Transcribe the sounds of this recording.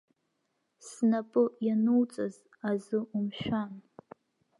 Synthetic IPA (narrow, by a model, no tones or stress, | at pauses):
snapʼɨjanuwt͡sʼɨz | azɨʔumʃᶣan